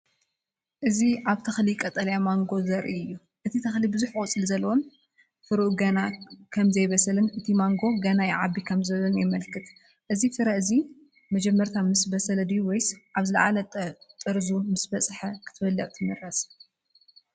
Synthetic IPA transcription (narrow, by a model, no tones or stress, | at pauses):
ʔɨziʔaβt̪ʰɐxlikʼɐt̪ʼɐlɐjamaŋɡo̞zɐɾʔiɨjːu | ʔɨt̪ʰit̪ʰɐxlibɨzuħʔʼut͡sʼɨlzɐlːɐwon | fɨɾuʔɡɐnakʰɐmzɐjβɐsɐlɨnʔɨt̪ʰimaŋɡo̞ɡɐnajʕabːikʰɐmzɐβlɐnjɛmɐlkʰɨt̪ | ʔɨzifɨɾɐʔɨzi | mɐd͡ʒɛmːɐɾt̪ʰamɨsbɐsɐlɐd̪iwɔjsʔaβzɨlɐ̰ʕa̰lɐt̪ʼɨɾzumɨsbɐt͡sʼħɐkʰɨ̥t̪ʰɨbɐlːɐʔʼt̪ʰɨmɨɾɐs